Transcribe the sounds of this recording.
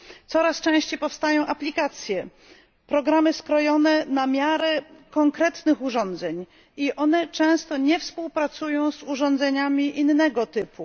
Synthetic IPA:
t̪sɔɾast͡ʂɛ̃w̃ɕt͡ɕejpɔfst̪ajɔ̃w̃ʔaplʲikat̪sʲjɛ | pɾɔɡɾamɘskɾɔjɔnɛnamʲjaɾɛkɔŋkɾɛt̪nɘxuʐɔ̃nd̪zɛɲ | iʔɔnɛt͡ʂɛ̃w̃st̪ɔɲɛfspuwpɾat̪sujɔ̃w̃zuʐɔ̃nd̪zɛɲamʲiʔinːɛɡɔt̪ɘpʰu

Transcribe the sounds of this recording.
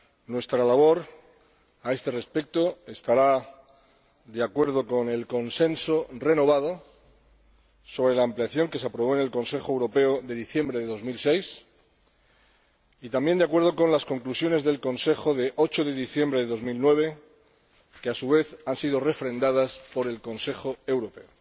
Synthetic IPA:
nwe̞st̪ɾalaβ̞o̞ɾ | ae̞st̪e̞re̞spe̞k̚t̪o̞e̞st̪aɾa | d̪eakwe̞ɾð̞o̞ko̞ne̞lko̞nsẽ̞nsore̞no̞β̞að̞o̞ | so̞βɾe̞laːmpliaθjo̞ŋke̞seapɾoβo̞ene̞lko̞nse̞xoewɾo̞pe̞oðe̞ðiθje̞mbɾe̞ðe̞ðo̞zmilse̞js | it̪ambje̞nd̪eak̬we̞ɾð̞o̞ko̞nlasko̞ŋklusjo̞ne̞zðe̞lko̞nse̞xo̞ðe̞ʔo̞t͡ʃo̞ðe̞ðiθje̞mbɾe̞ðeðo̞zmilnwe̞β̞e̞ | keasuβ̞e̞θansiðore̞fɾe̞nd̪aðaspo̞ɾe̞lko̞nse̞xo̞e̞wɾo̞pe̞o

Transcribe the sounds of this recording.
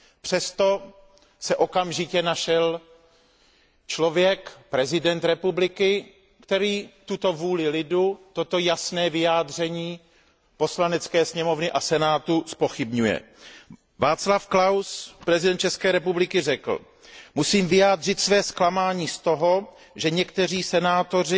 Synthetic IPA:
pr̥ɛst̪o̞ | sɛʔo̞kamʒɪcɛnaʃɛl | t͡ʃlo̞vjɛkpɾɛzɪdɛnt̪ɾɛpublɪkɪ | kt̪ɛɾiːt̪ut̪o̞vuːlɪlɪdut̪o̞t̪o̞jasnɛːvɪjaːd̪r̝ɛɲiː | poslanɛt͡skɛːsɲɛmo̞vnɪʔasɛnaːt̪uspo̞xɪbɲujɛ̰ | vaːt͡slafklawspɾɛzɪdɛnt̪̚t͡ʃɛskɛːɾɛpublɪkɪrɛkl̩̰ | musiːmvɪjaːd̪r̝ɪt̪svɛːsklamaːɲiːst̪o̞ɦo̞ | ʒɛɲɛkt̪ɛr̝iːsɛnaːt̪o̞rɪ

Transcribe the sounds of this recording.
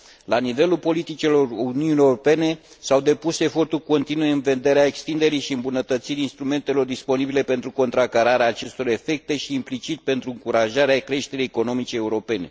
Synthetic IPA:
lanive̞lulpo̞lit̪it͡ʃelo̞runiunieuɾope̞ne̞ | sawd̪e̞puse̞fo̞rt̪urʲko̞nt̪inujeɨnve̞nd̪e̞ɾeaekst̪ind̪e̞ɾijʃiɨmbunət̪ət̪siɾʲinst̪ɾume̞nt̪e̞lo̞rd̪ispo̞nibile̞pe̞nt̪ɾuko̞nt̪ɾakaɾaɾeaːt͡ʃe̞st̪o̞ɾe̞fe̞k̚t̪e̞ʃiːmplit͡ʃit̪̚pe̞nt̪ɾuɨŋkuɾaʒaɾeaekɾe̞ʃt̪e̞ɾejeko̞no̞mit͡ʃeːuɾo̞pe̞ne̞̰

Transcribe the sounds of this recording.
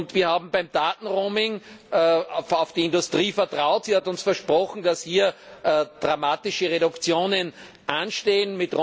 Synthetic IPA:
ntv̥iːɐhaːbm̩baɪmd̥aːtn̩ʁoːmɪŋ | aʊfd̥iɪndʊstʁ̥iːfɛɐtʁ̥aʊtsiːhatʊnsfɛɐʃpʁɔxn̩d̥ashiːɐʔɛːd̥ʁamaːtɪʃəʁeɾʊkt͡sjoːnən | ʔanʃteːənmɪtʁo

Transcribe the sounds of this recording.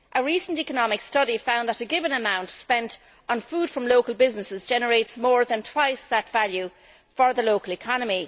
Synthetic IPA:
ʔəɹisə̃n̩tikənɑmɪkstʌɾifãʊ̃nðəɾəɡɪvə̃nəmãʊ̃ntspɛ̃nt | n̩fuːd̥fɹʌ̃mloʊkəlˠbɪznəsɪzd͡ʒɛnəɹeɪtsmɔːɹðə̃ntʰw̥aɪsðətv̥alju | fə˞ðəloʊkəlɪkʰɑnəmi

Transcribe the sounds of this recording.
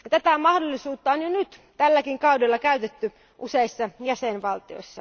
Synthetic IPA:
jɑt̪æt̪æmɑhdolːisuːt̪ːɑonjonyt̪t̪ælːækiŋkɑudelːɑkæyt̪et̪ːy | ʔuseisːɑjæsenʋɑlt̪io̞̰isːɑ̰

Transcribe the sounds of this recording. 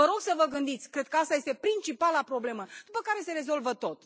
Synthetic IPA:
vəɾo̞ɡsəvəɡɨnd̪it̪sʲkɾe̞d̪̚kəast̪aje̞st̪e̞pɾint͡ʃipalapɾo̞ble̞məd̪̥upəkaɾe̞se̞ɾe̞zo̞lvət̪o̞t̪

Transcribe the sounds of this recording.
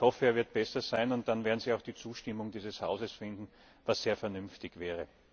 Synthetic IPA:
hɔfəeːɐvɪɐt̚b̥ɛsɐz̥aɪnʊntd̥anveːɐdn̩ziːaʊxd̥iːt͡suːʃtɪmʊŋdiːzəsha̰ʊzəsfɪndn̩ | vasːeːɐfɛɐnʏmftɪçvɛːʁə

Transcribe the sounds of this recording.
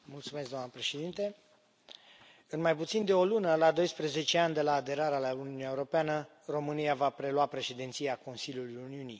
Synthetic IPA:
mult̪sumesɡd̪oamnəpɾe̞ʃe̞d̪int̪e | ɨnmajput̪sind̪e̞o̞lunəlad̪o̞jspɾəze̞t͡ʃe̞and̪e̞laːd̪e̞ɾaɾealauniuniaeuɾo̞peanə | ro̞mɨniavapɾe̞luapɾe̞ʃe̞d̪int̪sijako̞nsiljulujuniunij

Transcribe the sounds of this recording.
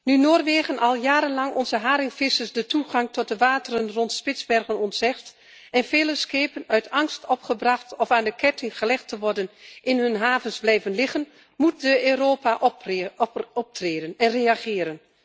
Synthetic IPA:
nynoːrʋeːɣənʔɑlˠjaːɾənlɑŋɔnzəɦaːɾɪwfɪsəsdətʰuχɑŋtɔt̚dəʋaːtərənrɔntspɪzbɛrɣənɔntsɛxt | ɛnfeːləskeːpənœɥtʰɑŋstɔpχəbrɑχtɔfaːndəkʰɛtʰɪŋχəlɛxtəʋɔrdənʔɪnɦɵnɦaːvənzblɛjvənlɪχən | mut̚dəøːɾoːpaʔ | ɔp̚treːdənɛnreaχɪːɾən

